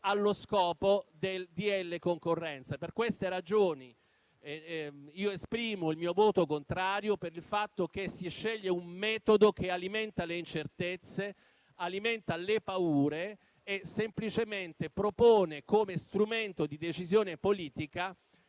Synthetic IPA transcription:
alːoskɔːpod̪eld̪ielːekoŋkorːɛnt̪saperkwest̪eɾad͡ʒoːni | iːoespɾiːmoilmiːovoːt̪okont̪ɾaːɾjopeɾilfat̪ːokesiʃːeʎːeumːɛːt̪od̪okealiment̪aleint͡ʃert̪et̪sːe | aliment̪alepauːɾeː | semplit͡ʃement̪epɾopoːnekomest̪ɾument̪od̪id̪et͡ʃizjoːnepoliːt̪ika

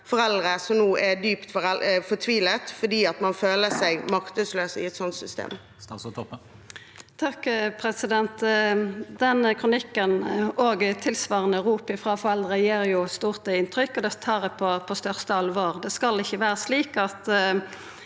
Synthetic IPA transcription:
fɔɾɛld̪ʁəsɔmnuːɛd̪yːpt̪fɔɾɛfɔt̪ʰʋiːlət̪fɔɖiːɑt̪mɑnføːləsæɪɡmɑkt̪əsløːsɪ̰ɛt̪sɔnt̪sʏst̪ḛːm | t̪ʰɑkpʰɾɛsɪd̪ɛnt̪ | d̪ɛnəkʰʁʊnɪkːənoːɡt̪ʰɪlsʋɑːʁənəʁuːpɪfʁɑːfɔʁɛld̪ʁəjeːʁjʊst̪uːʁt̪əɪnt̪ʰʁʏkːɔd̪ɛt̪ʰɑːʁd̪ɛpʰɔpʰɔst̪œʁst̪əɑlʋoːʁd̪ɛskɑlɪçːəʋæːʁəsliːkɑt̪

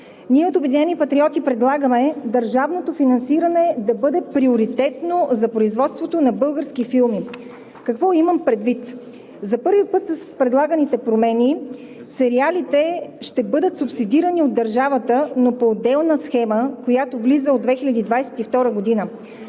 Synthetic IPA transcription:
niɛot̪obɛd̪inɛnipɐt̪ɾiɔt̪ipɾɛd̪lˠaɡəmɛd̪ɐɾʒavnot̪ofinɐnsiɾɐnɛd̪ɐbɤd̪ɛpɾioɾit̪ɛt̪nozɐpɾoizvɔt̪st̪vot̪onɐbɤlˠɡəɾskifilˠmi | kɐkvɔiməmpɾɛd̪vit̪ | zɐpɤɾvipɤt̪sɐspɾɛd̪lˠaɡənit̪ɛpɾomɛni | sɛɾialit̪ɛʃt̪ɛbɤd̪ət̪supsid̪iɾəniod̪ːɐɾʒavət̪ənopoːd̪ɛlˠnəsxɛməkojat̪ovlizəod̪vɛxilʲɐd̪id̪vajsɛ̥t̪ift̪ɔɾəɡod̪inə

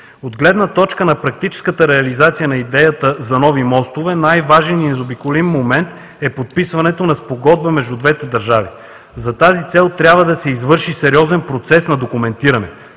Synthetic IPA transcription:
od̪ɡlɛd̪nət̪ɔt͡ʃkənɐpɾɐk̚t̪it͡ʃɛ̥skət̪əɾɛɐlizat̪sijənɐid̪ɛjət̪əzɐnɔvimɔst̪ovɛnajvaʒɛninɛzobikʊlimːomɛnt̪ | ɛpot̪̚pisvɐnɛt̪onɐspoɡɔd̪̚bəmɛʒd̪ud̪vɛt̪ɛd̪ɐɾʒavi | zɐt̪azit̪sɛlˠt̪ɾʲjabvəd̪ɐsɛizvɤɾʃisɛɾʲiɔzɛnpɾot̪sɛsnɐd̪okumɛnt̪iɾɐnɛ̰

